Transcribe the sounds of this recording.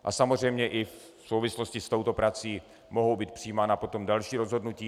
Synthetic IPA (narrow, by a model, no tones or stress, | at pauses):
ʔa̰samozr̝ɛjmɲɛʔɪf | sowvɪsloscɪst̪o̞wt̪o̞pɾat͡siː | mo̞ɦowbiːt̪̚pr̥ijiːmaːnapo̞t̪o̞mdalʃiːɾo̞zɦo̞dnuciː